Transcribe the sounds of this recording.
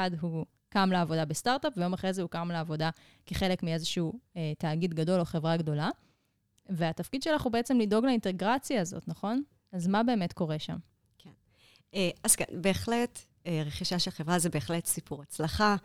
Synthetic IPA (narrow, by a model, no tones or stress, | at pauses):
adɦu | kamleːvo̞dabestaʁtapvejo̞maχʁezeukamleːvo̞da | keχe̞lekmie̞zeʃiuetaːɡid̪ɡado̞lo̞χevʁaɡdo̞la | ve̞atafkid̪ʃe̞laχubeet͡semlido̞ɡlainte̞ɡʁat͡sjaːzo̞̰tnaχo̞n | azmabe̞ːme̞tko̞ʁe̞ʃa̰m | kʰen | eaz̥ka̰nbe̞ːχlet | eʁeχiʃaʃelχevʁazebeeχle̞tsipuʁat͡slaχa